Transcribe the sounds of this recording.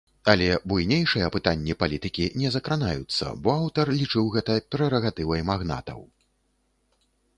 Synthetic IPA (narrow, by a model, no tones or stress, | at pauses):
alʲɛbujnʲejʂɨjɐpɨt̪anʲːipalʲit̪ɨkʲinʲɛzɐkɾanajut̪sːɐ̰bɔawt̪ɐrlʲit͡ʂɨwɣɛt̪ɐpʲɛɾɛɾɐɣat̪ɨvɐjmaɣna̰t̪ɐ̰w